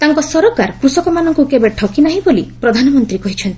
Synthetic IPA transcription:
t̪aŋkɔsɔɾokaɾkɾusɔkɔmanɔŋkukebeʈʰɔwkinaɦĩbolipɾɔd̪ʱanɔmɔnt̪ɾikɔɦit͡ʃʰɔnt̪i

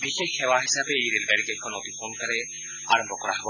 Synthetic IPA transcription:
bixekhewaɦisabeːjɾelɡaɾikakʰːɔnɔt̪ipʰonkaɾɛ | a̰ɾɔmbʱɔkɔɾaɦebɔ

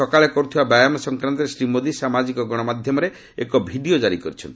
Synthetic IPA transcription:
ɔkaɭekɔɾut̪ʰibabajamɔsɔŋkɾant̪ɔɾesɾimod̪isamad͡ʒikɔɡɔɽ̃ɔmad̪ʱjɔmɔɾe | ekɔbʱiɖiod͡ʒaɾikɔɾit͡ʃʰɔnt̪i

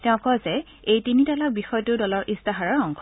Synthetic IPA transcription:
tɛʊ̃kɔjzɛ | ejtinitalak̚bixɔjtʊdɔlɔɹʔistaɦaɹɔɹɔŋkʰɔ

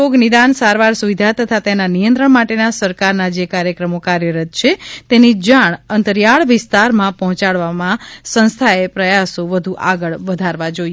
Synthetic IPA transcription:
oɡnid̪ansaɾʋaɾsuʋid̪ʱat̪ət̪ʰat̪enanijə̃nt̪ɾəɳmaʈenasəɾkaɾnad͡ʒekaɾjəkɾəmokaɾjəɾət̪̚t͡ʃʰet̪enid͡ʒaɳ̃ənt̪əɾjaɭʋɪst̪aɾmãpɔɦɔ̃t͡ʃaɭʋamãsə̃nst̪ʰaepɾəjasoʋəd̪ʱuʔaɡəɭʋəd̪ʱaɾʋãd͡ʒoj

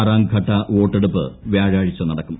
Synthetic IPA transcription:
ɾaːŋɡɡʰʱɐʈːɐʋoːʈːeɽupːɨ̰ʋjaːɻaːɻit͡ɕːɐnɐɽɐkːum

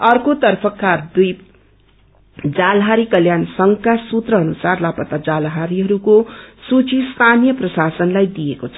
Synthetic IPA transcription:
ʌrkot̪ʌrpʰʌkːad̪uj | d͡zalɦaɾikʌljansʌŋkasut̪rʌʌnusarlapʌt̪ad͡zalɦaɾiɦʌɾukosut͡sist̪ʰanijʌprʌsasʌnlajd̪ijekot͡sʰʌ̥

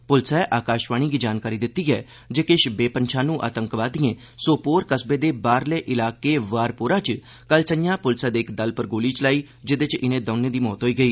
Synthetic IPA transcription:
pʊlsɛːʔaːkaːʃʋaːɽ̃iːɡiːd͡ʒaːnkaːɾiːd̪ɪt̪ːiːɛː | d͡ʒeːkɪʃbeːpənt͡ʃʰãːnũːʔa̰ːt̪əŋkʋaːd̪iẽː | soːpoːɾkəsbeːd̪eːbaːɾleːʔɪlaːkeːʋaːɾpoːɾãːt͡ʃ | kəlsəjãːpʊlsaːd̪eːɪkd̪əlpəɾɡoːliːt͡ʃəlaːiː | d͡ʒɪd̪et͡ʃɪnẽːd̪əːneːd̪iːmɔːt̪ɦoːiːɡəiː

